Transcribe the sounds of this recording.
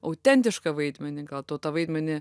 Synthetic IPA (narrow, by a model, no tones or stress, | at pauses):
ɐʊt̪ʲɛnʲt̪ʲɪʃkɐʋɐɪd̪ʲmʲɛnʲɪɡɐlˠt̪oːt̪ɐʋɐɪd̪ʲmʲɛnʲɪ